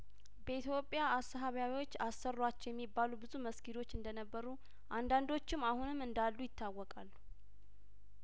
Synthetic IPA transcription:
bəit̪jo̞pʼjaːsəɦaβjawiwot͡ʃːasːərːat͡ʃːɛjɛmːibːalubɨzuməskʰilo̞t͡ʃːɨnd̪ənəbːəɾu | ʔand̪and̪o̞t͡ʃːɪmahunɨmɨnd̪alːujɪt̪ʰːawːɔkʼalːu

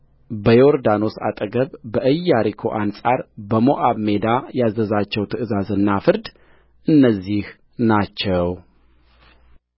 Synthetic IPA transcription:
bəjoɾd̪ano̞sa̰t̪ʼəɡəβbəʔɨjːaɾikʰo̞̰ʔansʼaɾbəmo̞ʔaβmed̪ajazːəzat͡ʃːɛwt̪ʰɨʔɨzazɨnːafɨɾd̪ | ʔɨnːəzːih | nat͡ʃːɛw

